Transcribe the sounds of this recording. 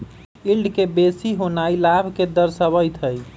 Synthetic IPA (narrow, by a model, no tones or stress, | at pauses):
ilɖkebesiɦonailabʱked̪əɾsəβəjt̪ʰɦəj